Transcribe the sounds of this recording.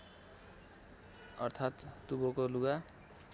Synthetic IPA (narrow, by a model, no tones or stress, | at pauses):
ʌrt̪ʰat̪ːubokoluɡa